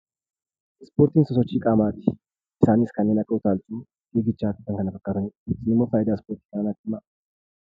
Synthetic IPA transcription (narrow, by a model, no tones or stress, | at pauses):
spo̞ːɾt̪iːnsɔsɔt͡ʃːikʼaːmaːt̪ɪ̥ | ʔɪsaːniskɐnːenɐkʼːɐʊt̪aːlt̪u | eɡɪt͡ʃːaːt̪ʼɪt̪ːɐŋkɐnɐfɐkʼːad̪ʊnesɪnɪmːoːfaːjɪd̪ɐspoːɾt̪i̥kɐnɐnat̪ːɪmːa